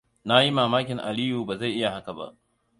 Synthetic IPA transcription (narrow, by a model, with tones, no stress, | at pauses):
na˦ji˦maː˨maː˦kʲɪ˨ŋʔa̰˨li˦juː˨baː˨za˦˨jʔɪ˦ja˨ha˦ka˨ba̰˦ʔ